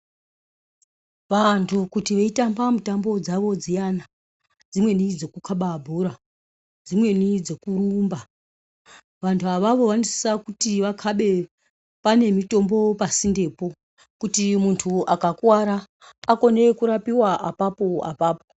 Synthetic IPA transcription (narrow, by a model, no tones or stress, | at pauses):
ʋantʰukutiʋeitambamutambo̞d͡zaʋo̞d͡zijana | d͡zimwe̞nid͡zo̞kukʰaɓabʱuɾa | d͡zimwe̞nid͡zo̞kuɾuːmba | ʋantʰuaʋaʋo̞ʋanosi̥sakutiʋakʰaɓe̞ | pane̞mito̞mbo̞pasinde̞ːpo̞ | kutimuntʰuakakwaɾaː | ko̞ne̞kuɾapiwaʔapapo̞a̰paːpo